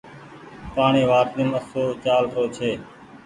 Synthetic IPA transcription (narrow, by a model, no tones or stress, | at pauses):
paːɳeːʋaːɾt̪ẽːməsoːt͡ʃaːlɾoːt͡ʃʰeː